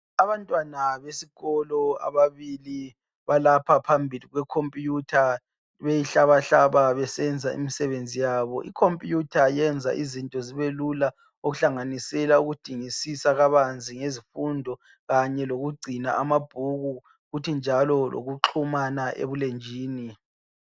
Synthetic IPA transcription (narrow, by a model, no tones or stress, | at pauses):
aβantʼwanaβesiɣɔlɔa̰βaβili | βalapʰapʰambʱiliɣwɛkʰompʼjutʰa | βejiɬaβaɬaβaβɛsɛnd͡zʱaḭmisɛβend͡zʱijaβɔ̰ʔikʰompʼjutʰajɛnd͡zʱa̰ʔizintʼɔziβelula | oɣuɬaŋanisɛlauɣud̥ʱiŋisisaɣaβand͡zʱiŋezifundʱɔ | ɣaɲɛloɣuɡ͡ǀʱinaʔamab̥ʱuɣu | ɣutʰind͡ʒʱalɔlʔo̰ɣuǁʰumanaʔḛβulend͡ʒʱiːni